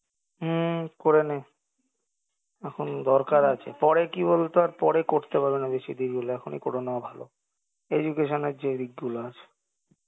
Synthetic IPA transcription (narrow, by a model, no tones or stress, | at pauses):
ɦ̩koɾene | ɛkʰond̪ɔɾkaɾat͡ɕʰḛpɔɾekibolt̪oaɾpɔɾekoɾt̪epaɾbenabeʃid̪iɡɡuloɛkʰonḛkɔɽonaobʱalo̰ | ed͡ʑukeʃoneɾd͡ʑed̪iɡ̚ɡuloat͡ɕʰe̥